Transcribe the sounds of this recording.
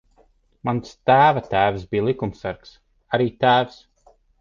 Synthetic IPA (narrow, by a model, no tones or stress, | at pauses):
manst̪æːvat̪æːvsbʲiːlˠikumsæɾks | aɾiːt̪æːvs